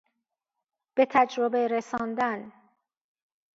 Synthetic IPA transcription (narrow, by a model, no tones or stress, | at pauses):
b̥e̞t̪ʰæd͡ʒɾobe̞ɾesɒːnd̪æn